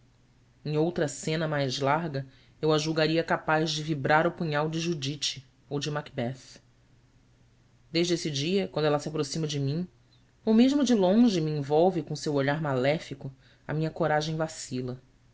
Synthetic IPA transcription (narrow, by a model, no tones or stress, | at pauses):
ẽj̃owt̪ɾɐsẽnɐmajzlaɾɡɐ | ewaʒuwɡaɾiɐkapazd͡ʒɪvibɾaɾʊpuɲawd͡ʒɪʒud͡ʒit͡ʃɪ̥ | owd͡ʒɪmakbɛf | d̪eʒd͡ʒesɪd͡ʒiɐkwɐ̃nd̪ʊɛlɐsiapɾosĩmɐd͡ʒɪmĩ | omeʒmʊd͡ʒɪlõʒɪmiẽvɔwvɪkõsewoʎaɾmalɛfikʊ | ɐ̰mĩɲɐkoɾaʒẽj̃vasilɐ